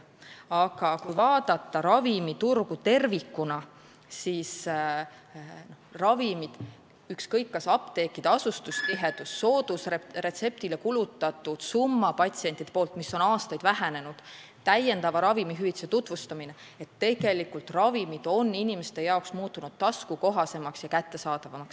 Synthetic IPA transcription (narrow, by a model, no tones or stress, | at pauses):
ɑɡ̥ɑkujvɑːd̪̥ɑt̪ˑːɑɾɑvimit̪urɡut̪e̞rvikːunɑ | sis | norɑvimid̪̥ | ykskɤjkːɑsɑpt̪e̞ːkːˑid̪̥ɑsust̪ust̪iɦe̞d̪̥usːo̞ːd̪usrere̞t̪se̞p̚t̪ile̞kulut̪ːˑɑt̪ːˑud̪̥sumːɑpɑt̪ʲsient̪id̪epo̞ːlt̪ˑmisːo̞nɑːst̪ɑjd̪̥væɦæne̞nud̪̥ | t̪æje̞nd̪ɑvɑɾɑvimiɦyit̪set̪ut̪ˑvust̪ɑmine̞ | et̪ːe̞ɡ̥e̞likult̪rɑvimid̪̥o̞nːinimest̪e̞jɑoksmuːt̪ːˑunud̪̥t̪ɑskuko̞ɦɑse̞mɑksjɑkæt̪ːe̞sɑːd̪̥ɑvɑmɑks